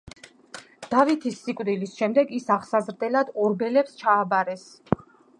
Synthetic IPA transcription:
d̪̥avit̪ʰisːikʼvd̪ilisʃɛmd̪ɛɡisaʁsazɾd̪ɛlad̪ɔɾbɛlɛpst͡ʃʰaːbaɾɛs

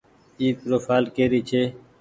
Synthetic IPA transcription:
iːt̪̚ɾoːfaːlkeːɾiːt͡ʃʰeː

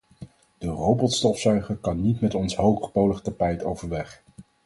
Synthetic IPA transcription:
d̥ərowbɔtstɔfsœɥχəɹkɑnːitmɛtɔnsɦowχəχpowləχtapɛjtowvəɹʋɛχ

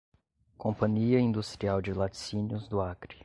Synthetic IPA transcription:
kõmpɐ̃ɲiɐĩnd̪ust̪ɾiawd͡ʒɪlat͡ʃsĩnʊzd̪ʊakɾi

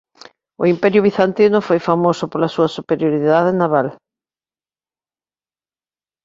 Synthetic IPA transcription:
ʊimpɛɾjʊβ̞iθant̪inʊfojfamosʊpolɐsuɐsupeɾjoɾiðað̞enaβal

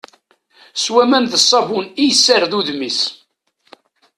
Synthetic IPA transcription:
swæmænðəsˤːɑvunijsːəɾðuðmis

